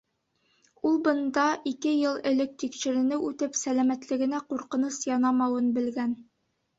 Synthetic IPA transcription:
ulˠbɤ̆nd̪ɑʔikɘjɤlˠɘ̆lɘk̚t̪ikʃɘ̆ɾɘ̆nɘʉt̪ɘpsælæmæt̪lɘ̆ɡɘ̆næquɾqɤ̆nɤsjɑnɑmɑwɤnbɘ̆lɡæn

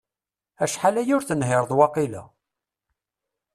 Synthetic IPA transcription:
æʃħalæjʊɾθənhɪɾˤðwɑqilæ̰

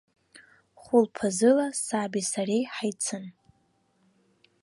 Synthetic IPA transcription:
χʊlpʰazɨlasabisarejħajt͡sʰɨn

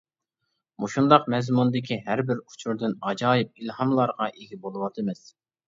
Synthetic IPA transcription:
muʃund̪ɑqmɛzmund̪ɪkʲʰiɦæɾbɪɾu̥t͡ʃʰuɾd̪ɨnɑd͡ʒɑːjip̚ilhɑmlˠɑɾʁɑʔeɡʲibolˠɨwɑt̪ʰɨmɪs

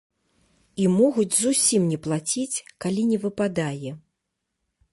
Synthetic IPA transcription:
imɔɣud͡zʲzusʲimnʲɛplˠat͡sʲit͡sʲkalʲinʲɛvɨpad̪ajɛ

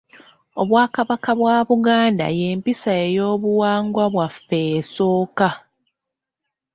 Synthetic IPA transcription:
oβwaːkaβakaβwaːβuɡaːnda̰je̞ːmpisae̞jo̞ːβuwaːŋɡwaβwafːe̞so̞ːka

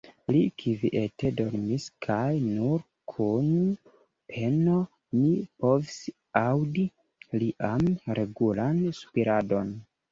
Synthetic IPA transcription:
likʰiviʔe̞te̞do̞ɾmiskʰajnuɾ | kʰun | pʰe̞no̞ | nipo̞vis | awdi | liʔamɾʔe̞ɡulansu̥piɾado̞n

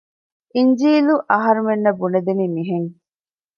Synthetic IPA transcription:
ʔiɲd͡ʒiːluʔɐɦɐɾumenːɐbuned̪enimiɦeŋ

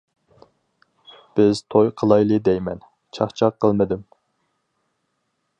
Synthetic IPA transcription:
b̥ɪz̥t̪ʰojqʰəlˠɑjlˠɨd̪ɛjmɛ̰n | t͡ʃʰɑχt͡ʃʰɑqʰːəlˠmɨd̪ɪm

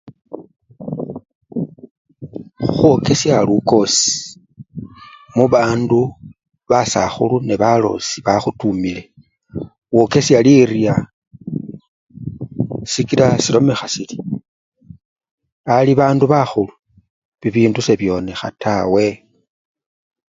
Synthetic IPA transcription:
xwoke̞sjaluko̞si̥ | muβaːndu | βasa̰xuluneβalo̰siβaxutumile̞ | woke̞sjalirja | sikilasilo̞me̞xasili̥ | aliβaːnduβaxulu | βiβiːnduse̞βjo̞ːne̞xa̰tʰawe̞

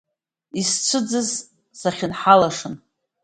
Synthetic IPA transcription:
ist͡ʃʷʰɨd͡zɨz | saχʲɪnħalaʂɨn

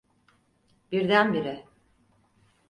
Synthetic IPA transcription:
biɾd̪ænbiɾɪ

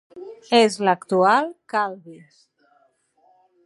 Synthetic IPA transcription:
ezləkt̪ualˠkalðis

